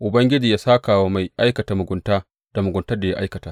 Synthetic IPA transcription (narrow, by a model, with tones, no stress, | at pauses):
ʔʊ˨bɐ˦ŋɡʲɪ˦d͡ʒiː˨jaː˦saː˦kaː˨woː˦ma˨jʔa˦jkɐ˨taː˨mʊ˨ɡʷʊ˨ntaː˦ | d̥a˨mʊ˨ɡʷʊ˨ntɐ˦rda˨ja̰˦ʔa̰˦jkɐ˨taː˦